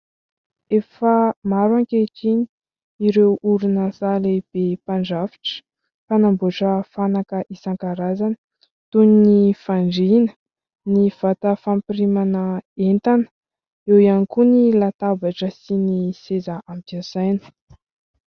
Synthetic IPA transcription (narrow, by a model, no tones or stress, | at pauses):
efəmaɾwaŋkeʈ͡ʂiɲi | iɾewuɾunəzaleb̥epaɳɖ͡ʐafi̥ʈ͡ʂə̥ | fanambuʈ͡ʂəfanakəʔisaŋkaɾazanə̥ | t̪uninifaɳɖ͡ʐinə̥ | niv̥at̪əfampiɾimanəent̪anə̥ | ewianikunilat̪abaʈ͡ʂəsinisezaampasajnə̥